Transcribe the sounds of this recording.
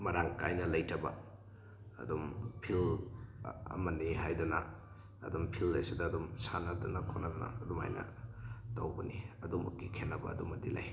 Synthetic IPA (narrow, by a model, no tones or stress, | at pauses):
mɐɾaŋkajnɐlɐjtʰɐbɐ̰ | ɐ̰dumpʰil | ɐ̰mɐniɦajdɐnɐ̰ | ɐ̰dumpʰilːejsidɐːdumsanɐdunɐkʰonɐnɐ̰ɐduma̰jnɐ̰tɐwbɐniɐdumɐkːikʰenːɐbɐ̰ɐdumɐdila̰j